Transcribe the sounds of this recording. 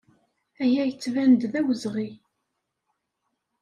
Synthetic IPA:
æjæjət͡sːvænd̪ðæwəzʁi

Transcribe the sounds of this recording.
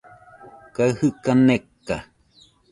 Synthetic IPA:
kaihɨkanekːa

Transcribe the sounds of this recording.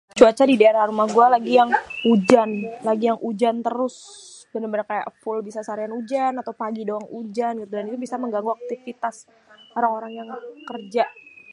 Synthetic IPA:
t͡ʃuat͡ʃadidaeɾaɾumahɡualaɡijaŋud͡ʒanlaɡijaŋʔud͡ʒant̪əɾʊs | danmbanakaja̰ʔəpʊlbisasaɾianud͡ʒanat̪awpaɡidoaŋud͡ʒanɡit̪udanit̪ubisaməŋɡaŋɡuak̚t̪ifit̪as | oɾaŋoɾaŋjaŋkərd͡ʒa

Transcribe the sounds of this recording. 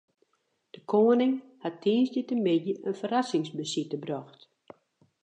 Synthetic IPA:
d̥əkʰoːənɪŋhatʰːiənsdətənmɪdjəʔənfərasɪŋsbəsitəbrɔxt

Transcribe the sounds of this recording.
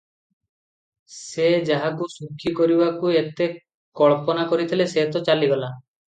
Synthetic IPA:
sed͡ʒaɦakusukʰːikoɾibakuet̪e | kɔɭpɔnakoɾit̪ʰileset̪ɔt͡ʃaliɡɔla

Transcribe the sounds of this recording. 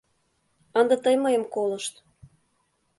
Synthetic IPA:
ənd̪ət̪əjməjəmkolɤ̆ʃt̪

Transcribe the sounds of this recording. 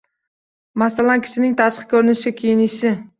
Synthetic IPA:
masalankʲʰɪ̥ʃɪnɪŋt̪ʰaʃqɨ̥kʲʰɵɾɪnɪʃɪkʲʰejɪnɪʃɪ

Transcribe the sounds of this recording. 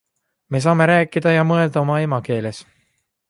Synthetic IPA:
me̞s̬ɑːme̞ɾæːkːˑid̪̥ɑjɑmɤe̞ld̪̥ɑo̞mɑe̞mɑke̞ːles

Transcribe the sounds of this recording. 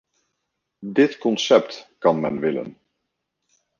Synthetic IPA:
dɪtkɔnsɛp̚tkɑnmɛ̰nʋɪlə̰n

